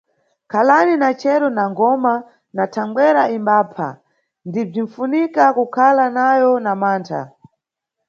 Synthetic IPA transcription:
kʰalaninat͡ʃɛɾɔnaŋɡɔma | natʰaŋɡwɛɾaimbaːpʰa̰ | ndib͡ʐin̩funikakukʰalanajɔnamaːntʰa̰

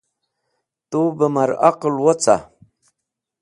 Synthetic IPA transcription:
t̪ubəmaɾaqlwot͡sa̰

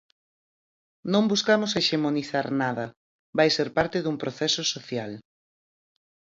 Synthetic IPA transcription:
nõŋbuskamʊseʃemoniθaɾnaðɐ | βajseɾpaɾt̪ɪðumpɾoθɛsʊsoθjal

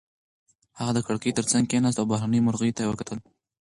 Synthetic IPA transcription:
haɣad̪əkaɽkəjt̪əɾt͡saŋɡkenast̪awbaɦɾanəjmʊɾɣəjt̪ajwəkat̪ʰəl

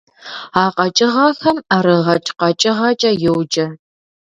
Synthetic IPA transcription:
aːqɐt͡ʃʼɪʁɐxɐmaːɾɨʁɐt͡ʃʼqɐt͡ʃʼɪʁɐt͡ʃʼɐjɪwd͡ʒʼɐ

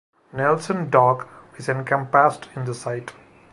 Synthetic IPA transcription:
nɛlsə̃nɖɔːkɪzɛ̃nkə̃mpæsʈɪ̃nd̪əsaɪʈ

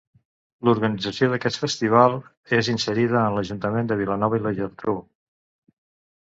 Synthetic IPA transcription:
luɾɣənid͡zəsioðəkɛt̪fəst̪iβ̞alˠ | ezinsəɾiðəːnləʒunt̪əmend̪əβilənɔβəiləʒərt̪ɾu

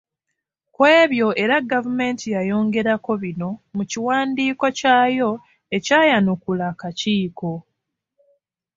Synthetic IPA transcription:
kwe̞ːβjo̞ʔe̞ɾaɡːavume̞ːntijajo̞ːŋɡe̞ɾako̞βino̞muciwaːndiːko̞caːjo̞ | e̞caːjanukulakaciːko̞

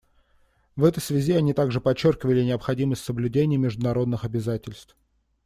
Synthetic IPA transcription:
vɛt̪əjsvʲɪzʲiɐnʲit̪aɡʐɨpɐt͡ɕːorkʲɪvəlʲɪnʲɪəpxɐdʲiməsʲtʲsəblʲʉdʲenʲɪjəmʲɪʐd̪ʊnɐɾo̞d̪nɨxɐbʲɪzatʲɪlʲst̪f

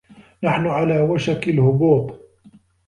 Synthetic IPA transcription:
naħnʊʕalaːwaʃakalhʊbuːb

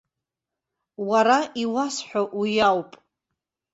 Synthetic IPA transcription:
waɾaiwasħʷᶣaʔujawpʼ

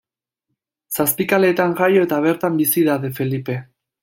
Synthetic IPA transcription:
saspikale̞ːt̪aŋʝajo̞e̞t̪aβ̞e̞ɾt̪ambisiðaðefe̞lipe̞

